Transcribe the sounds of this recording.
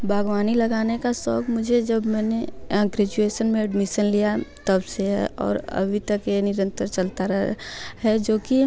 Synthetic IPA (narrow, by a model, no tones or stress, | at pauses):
bʱaːɡwaːnilɐɡaːnekasɔːkmʊd͡ʒʱed͡ʒɐbmɛːnẽɡɾɛd͡ʒueːʃənmẽɛɖmɪʃənlijat̪ɐbseɦɛ̰ɔ̰ːɾɐ̰bʱit̪ɐkenɪɾə̃nt̪əɾt͡ʃɐlt̪aɾɦɛd͡ʒoːki